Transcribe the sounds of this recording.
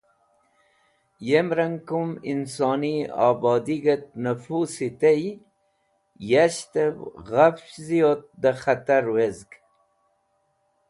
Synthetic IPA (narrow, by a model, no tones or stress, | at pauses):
jemɾaŋkumḭnsɑːniɑ̰ːbɑːd̪iɡat̪̚nafusit̪ej | jaɕt̪evɣafzijot̪̚d̪əχat̪aɾwezɡ